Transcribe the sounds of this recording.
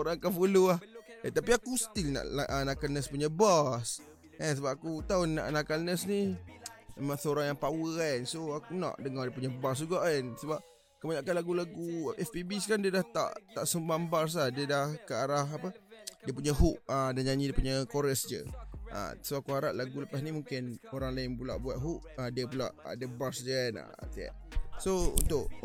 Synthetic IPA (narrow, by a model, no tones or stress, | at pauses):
oɾaŋkafuluaht̪apiakusə̥t̪ilna̰ʔaʔənakalnəspuɲabas | ɛnsəbap̚akut̪aʊnːa̰ʔnakalnəsni | memãŋsəoɾaŋjaŋpawəansoakunã̰ʔdəŋɔrdiəp̬uɲabas̬d͡ʒuɡaʔansəbap̚ | kəbaɲaʔkanlaɡulaɡuʔɛfpibiskandiədaht̪a̰ʔt̪a̰ʔsəmbambars̬lahdiədahkəaɾahapədiəp̬uɲəɦuʔ̚ədanɲaɲidiəpuɲəkoɾəsd͡ʒə̰ʔa̰soakuaɾaʔlaɡuləpasnimuŋkɪnoɾaŋlaɪnbula̰ʔbuat̪̚ɦuʔ̚adiəp̬ula̰ʔə̰dəbarsd͡ʒəna̰t̪iɛ̰ʔsoṵnt̪ʊʔ